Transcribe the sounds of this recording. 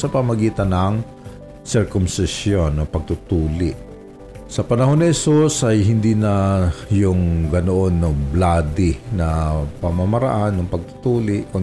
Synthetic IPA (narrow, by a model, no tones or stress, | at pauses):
sɐpɐmɐɡiːt̪ɐnɐŋ | sɪɹkʊmsɪsjonːɐpɐɡ̚t̪ʊt̪uːlɪʔ | sɐpɐnɐho̞nːɪhɛsusʔɐjɦɪnd̪iːnɐjʊŋɡɐnoʔonːoblaːd̪ɪnɐpɐmamɐɾa̰ʔanːʊŋpɐɡ̚t̪ʊ̥t̪uːlɪʔkʊ